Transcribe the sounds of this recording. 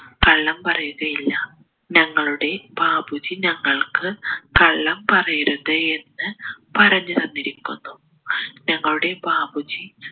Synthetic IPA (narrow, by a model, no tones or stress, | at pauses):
kɐɭːɐmpɐrɐjuɣɐjilːɐ | ɲɐŋːɐɭuɽe̞bʱaːbʱud͡ʑiɲɐŋːɐɭkɨkɐɭːɐmpɐrɐjiɾunðee̞nːɨpɐɾɐɲːɨt̪ɐnːiɾikʲːunːu | ɲɐŋːɐɭuɽe̞bʱaːbud͡ʑi